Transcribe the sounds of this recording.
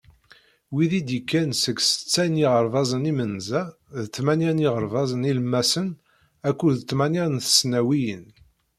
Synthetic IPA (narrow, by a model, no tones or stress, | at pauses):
wiðid̪ikːænsəɡsə̥t͡sːæjniʁəɾˤvɑzˤənimənzæ | ðət͡sːmænjæniʁəɾˤvɑzˤəniləmːæsən | ækʷːuðt͡s̪ːmænjænθə̥snæwijən